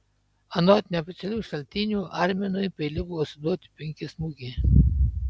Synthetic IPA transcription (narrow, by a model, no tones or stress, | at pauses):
ɐnɔt̪ʲnʲɛɔfʲɛt̪sʲɛlʲuːʃɐlʲt̪ʲɪnʲuːʔɑɾʲmʲɛnʊjpʲɛlʲɪbʊʋɔsʲɪd̪uɔt̪ʲɪ̥pʲɪŋʲkʲɪsmuɡʲe